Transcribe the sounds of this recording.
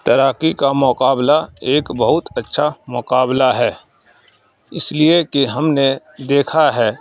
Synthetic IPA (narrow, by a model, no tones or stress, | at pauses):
t̪əɾaːkikamʊqaːblaeːkbəɦʊt̪ətːʃʰamʊqaːblaɦɛː | ɪsliekiɦɐmne | d̪eːkʰaɦɛː